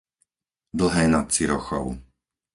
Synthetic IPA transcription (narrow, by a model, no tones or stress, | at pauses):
d̪l̩ɦɛːnat̪̚t͡siɾɔxɔ̰ʊ